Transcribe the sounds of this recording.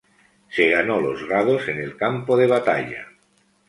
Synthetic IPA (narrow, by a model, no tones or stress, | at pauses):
seɣanolozɣað̞osenelkampoðeβ̞at̪a̰ʎa̰